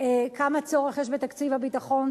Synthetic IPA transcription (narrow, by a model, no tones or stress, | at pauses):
ekamat͡so̞ʁeχjeɛʃbet̪akt͡sivabitaχo̞n